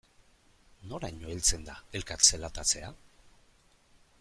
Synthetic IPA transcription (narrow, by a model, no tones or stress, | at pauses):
no̞ɾaɲo̞elt͡se̞nd̪ae̞lkat̪selat̪at͡se̞a